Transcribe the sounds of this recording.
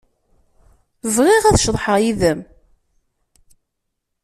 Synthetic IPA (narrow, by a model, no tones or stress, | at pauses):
vʁiʁæθʃðˤħəʁjiðəm